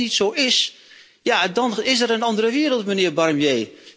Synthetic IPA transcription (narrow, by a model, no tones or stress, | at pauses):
itsowɪs | jadɑnɪsəɾənɑndərəʋɪːɾəlˠtmənɪːrbɑrmjeː